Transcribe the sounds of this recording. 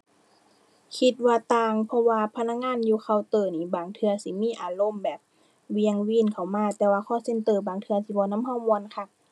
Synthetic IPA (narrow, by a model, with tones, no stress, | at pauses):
kʰi˧t̪̚waː˧t̪aː˧ŋpʰɔ˧waː˧pʰa˧na˧˥k̚ŋaː˧˥˨njuː˧˦kʰa˧˩wt̪ɤː˧˩niː˧˩baː˨˩ŋt̪ʰɯ˧ɐsiː˨˦miː˧˥˨ʔaː˨˩lo˧˥˨mbɛː˨˩p̚ | wi˧əŋwiː˧˨nkʰa˨˩wmaː˧˨t̪ɛː˧waː˧kʰɔː˧˨se˧˥nt̪ɤː˧˩baː˨˩ŋt̪ʰɯ˧ɐt̪ʰi˧˦bɔː˧˦na˧˥˨mha˧˨wmu˧ən˧kʰa˧˩